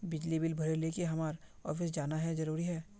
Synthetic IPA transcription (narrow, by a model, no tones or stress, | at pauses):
bɪd͡ʒlibɪlbʱɐɾeleːkeɦɐmaːɾɔ̰ːfɪs̬d͡ʒaːnaɦɛzɐɾuːɾiɦɛː